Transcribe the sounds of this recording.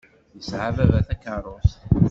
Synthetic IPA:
jəsʕavævæθækːəɾˤoθ

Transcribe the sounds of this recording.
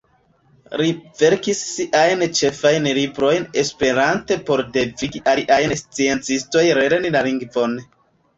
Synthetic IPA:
ɾive̞ɾkisːiʔajnt͡ʃe̞fajnlibɾo̞jne̞spe̞ɾante̞po̞ɾde̞viɡiʔaliʔajnst͡sie̞nt͡sisto̞jɾeɾenilaliŋɡvo̞n

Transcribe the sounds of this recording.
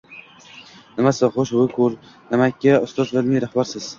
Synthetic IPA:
nɪmasɪχoʃbʊkʰʊl | nɪmakʰʲːaʊst̪ɒzlad̪mijɾahbaɾsɪz̥

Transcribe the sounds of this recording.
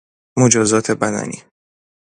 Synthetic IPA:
mod͡ʒɒːzɒːt̪ʰebæd̪æ̰nḭː

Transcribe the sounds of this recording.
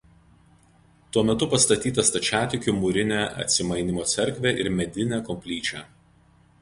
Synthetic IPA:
t̪uɔmʲɛt̪ʊpɐst̪ɐt̪ʲiːt̪ɐst̪ɐt͡ʃʲæːt̪ʲɪkʲʊmʊɾʲɪnʲæːʔɐ̰t̪ʲsʲɪmɐɪnʲɪmoːt̪sʲɛɾʲˑkʲʋʲeːʔɪɾmʲɛd̪ʲɪnʲæːkɔmʲpʲlʲiːt͡ʃʲæː

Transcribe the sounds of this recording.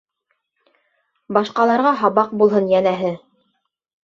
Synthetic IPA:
bɑʃqɑlˠɑɾʁɑɦɑβɑq̚bulˠɦɤnjænæɦɘ

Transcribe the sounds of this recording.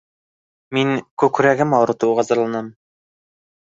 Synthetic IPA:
miŋkʉkɾæɡɘmɑwɾɤ̆t̪uʁɑzɤ̆ɾlˠɑnɑm

